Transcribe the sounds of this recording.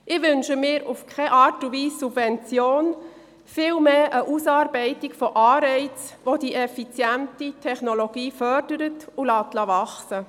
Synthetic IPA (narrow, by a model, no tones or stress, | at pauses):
ʔɪʋʏnʃəmɪːɾufkʰɛʔɑːɾtuviːsːub̥vɛnt͡sjoːn | fɪːlmeːʔəʔusɑːɾbɛɪtɪkfɔʔɑːɾɛɪt͡sʋodiːʔɛfit͡sjæntitʰɛχnoloɡ̥iːfœɾd̥əɾətulɑːtlɑʋɑχsə